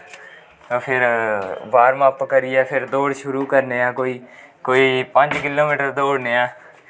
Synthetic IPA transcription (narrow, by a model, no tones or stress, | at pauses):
t̪oːpʰɪɾbaːɾmãːpkəɾijɛːpʰɪɾd̪oːɽʃʊɾuːkəɾneːãːkoːiː | koːiːpə̃ɲd͡ʒkɪloːmiːʈəɾd̪oːɽneːãː